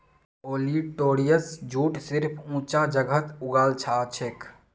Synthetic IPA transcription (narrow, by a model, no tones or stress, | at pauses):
oːliʈoːɾijəsd͡ʒʱuːʈsɪɾpʰũːt͡ʃad͡ʒəɡʱət̪ʊɡaːlt͡ʃʰat͡ʃʰek